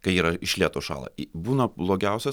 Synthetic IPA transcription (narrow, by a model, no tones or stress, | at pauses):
kɐɪiːɾɐɪʃʲlʲiɛt̪oːʃɑ̰ːlˠɐ̰buːnɐblˠoːɡʲɛʊsʲɛ